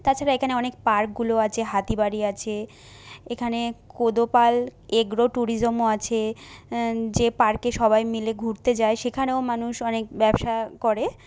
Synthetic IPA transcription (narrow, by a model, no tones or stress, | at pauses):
t̪at͡ɕʰaɾaekʰaneɔnek̚paɾk̚ɡuloat͡ɕʰeɦat̪ibaɾiat͡ɕʰe | ekʰanekod̪opaleɡɾoʈuɾid͡ʑomoat͡ɕʰe | d͡ʑepaɾkeʃɔbajmileɡʱuɾt̪ed͡ʑaeʃekʰaneomanuʃɔnek̚bɛbʃakɔɾe